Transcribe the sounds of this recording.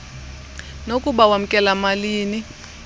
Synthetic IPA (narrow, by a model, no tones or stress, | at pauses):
nokʼuɓawam̩kʼɛlamaliːni